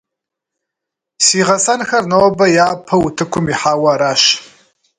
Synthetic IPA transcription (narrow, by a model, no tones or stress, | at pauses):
siːʁɐsɐnxɐrnɐwɐbɐjaːpʰɐwʊtʰɨkʷʰʊmiħaːwɐːɾaːɕ